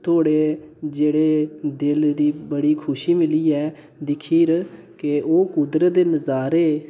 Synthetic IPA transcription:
t̪ʰoːɽeːd͡ʒeːɽeːd̪ɪld̪iːbəɽiːkʰʊʃiːmɪliːɛː | d̪ɪkʰiːɾ | keoːkud̪ɾət̪̚d̪eːnəzaːɾeː

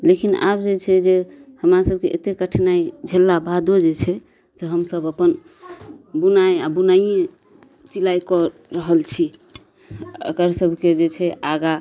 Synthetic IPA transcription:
lekina̰bd͡ʒet͡ʃʰɛd͡ʒehəmɾasəb̚ʱkeʔet̪ekəʈʰnaid͡ʒʱelːabad̪od͡ʒet͡ʃʰɛ | seɦəmsəbəpən | bunajabunaie | silajkɔɾəɦəlt͡ʃʰi | ə̰kəɾsəbʱked͡ʒet͡ʃʰɛʔaɡa

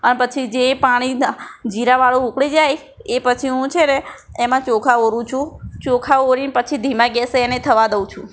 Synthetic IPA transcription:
ənepət͡ʃʰid͡ʒepaɽ̃id͡ʒiɾaʋaɭuukɭid͡ʒaj | epət͡ʃʰiɦũt͡ʃʰeneː | mãt͡ʃokʰaoɾũt͡ʃʰũt͡ʃokʰaoɾinpət͡ʃʰid̪ʱimãɡɛseenet̪ʰəʋad̪əw̃t͡ʃʰũ

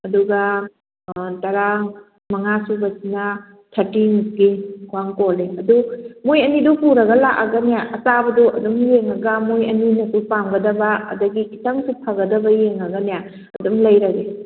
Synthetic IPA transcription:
ɐduɡɐ | tɐɾa | mɐŋasubɐsinɐ | tʰɐtiŋuɡikʰuaŋkoleɐdumojɐnidɔpuɾɐɡɐlakaɡɐnijaʔɐsabɐduɐdumjeŋɐɡɐmojɐninɐkupamɡɐdɐbɐɐ̰dɐɡikitaŋsupʰaɡɐdɐbɐjeŋɐɡɐnija | ɐdumlɐjɾɐɡe

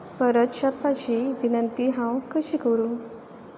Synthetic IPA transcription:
pəɾət̪ɕapːat͡ɕiʋinənt̪iɦãwkəɕikəɾu

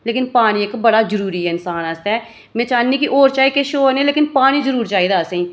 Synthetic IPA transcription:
leːkɪnpaːɽ̃iekbəɽaːzəɾuːɾiɦɛːɪnsaːnaːst̪aɛː | mɛ̃ːt͡ʃaːnːiːkiʔoːɾt͡ʃaːikeʃoːnẽːleːkɪnpaːñid͡ʒəɾuːɾt͡ʃaːiːd̪aːseĩː

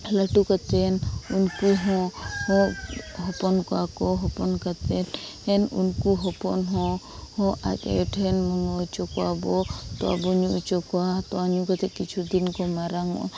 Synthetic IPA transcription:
laʈukat̪ɛnunkuɦɔ̃hɔ̃ɦɔpɔnkɔakɔɦɔpɔnkat̪ɛnhɛnṵnkuɦɔpɔnɦɔ̃ | hɔ̃ʔa̰ka̰jɔʈʰɛnmɔŋɔut͡ʃɔkɔabɔt̪ɔ̰a̰bɔɲuut͡ʃɔkɔat̪ɔaɲũkat̪ɛkit͡ʃʰud̪inkɔmaɾaŋɔ̰ʔn

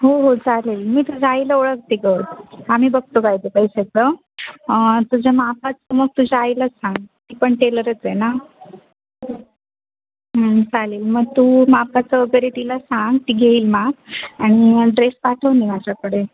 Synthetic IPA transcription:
ɦoɦod͡zʱaleːlmiːt̪ud͡ʑʱaajləoɭək̚t̪iɡəɾamiːbəɡ̚t̪okajd̪epəjset͡sə | t̪ud͡ʑʱamapat͡səməɡ̚t̪ud͡ʑʱaːjiləsãŋɡt̪iːpəɳʈeləɾət͡sjena | ɦəd͡zaleːlməɡ̚t̪umapat͡səəɡəɾet̪ilasãŋɡt̪iːɡʱeiːlmaɡaɽ̃iɖɾespaʈʰəʋnimad͡ʑakəɽe

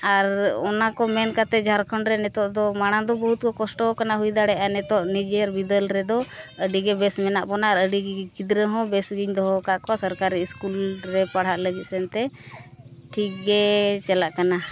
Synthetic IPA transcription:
aɾɔnakɔmɛnkat̪ɛd͡ʒʱaɾkʰɔɳɾɛnɛt̪ɔʔd̪ɔmaɽ̃ad̪ɔbəɦut̪̚kɔkɔsʈɔɔkanaɦujd̪aɽɛʔanɛt̪ɔʔnid͡ʒɛɾbid̪əlɾɛd̪ɔəɖiɡɛbɛsmɛnaʔbɔnaːɾəɖiɡɛkid̪ɾəɦɔ̃bɛsɡiɲd̪ɔɦɔkaʔkɔasəɾkaɾiskulɾɛpaɽ̤ɦaʔləɡit̪̚sɛnt̪ɛ | ʈʰik̚ɡɛt͡ʃalaʔkana

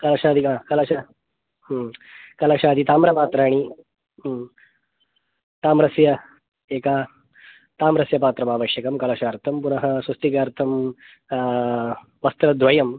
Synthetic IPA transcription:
kɐlɐʂaːd̪iaːkɐlɐʂa | kɐlɐʂaːd̪it̪aːmɾɐpaːt̪ɾaːɽ̃i | t̪aːmɾɐsjɐ | eːka | t̪aːmɾɐsjɐpaːt̪ɾɐmaːʋɐʃjɐkɐmkɐlɐʂaːɾt̪ʰɐmpunɐɦɐsʋɐst̪ikaːɾt̪ʰɐm | ʋɐst̪ɾɐd̪ʱʋɐjɐm

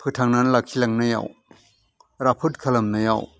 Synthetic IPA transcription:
pʰɯtʰaŋnanlakʰilaŋnaja̰w | ɾapʰut̚kʰalɐmnaja̰w

